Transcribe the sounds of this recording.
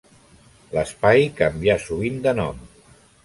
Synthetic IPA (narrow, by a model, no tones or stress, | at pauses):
ləspajkəmbiasuβ̞ind̪ənɔm